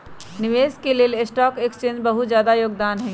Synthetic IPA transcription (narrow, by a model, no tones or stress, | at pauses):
nɪʋeːskeleːlesʈɔːkekst͡ʃẽːnd͡ʒbɐɦʊt̪zjaːd̪ajoːɡd̪aːnɦɛ̃